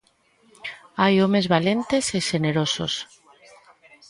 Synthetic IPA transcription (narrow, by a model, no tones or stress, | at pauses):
ajomezβalent̪eseʃeneɾoso̰s